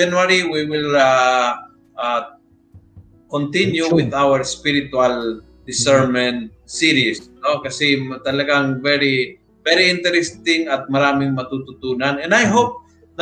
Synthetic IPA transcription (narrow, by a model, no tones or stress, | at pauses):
anwaɾiwiwɪla | ʔa | kont̪ɪnjuwɪðawəɹspiɾɪt̪ʊal | d̪ɪsɛɹmɛnt̪̚ | siɾisnokɐsɛmt̪ɐlɐɡaŋvɛɾi | vɛɾiʔɪnt̪ɛɾɛst̪ɪŋɐt̪̚mɐɾaːmɪŋmɐt̪ut̪ʊt̪uːnanɛnd̪ajɦop̚ | n